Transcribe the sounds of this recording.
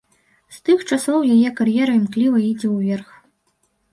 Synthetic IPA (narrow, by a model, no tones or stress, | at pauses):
st̪ɨxt͡ʂasɔwjajɛkarjɛɾɐimklʲivɐid͡zʲɛwvʲɛrx